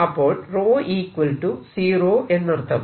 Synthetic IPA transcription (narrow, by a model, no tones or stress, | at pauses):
ɐpːoːɭroːʔiːkʋɐlʈusiːɾoːʔenːɐɾt̪ːɐm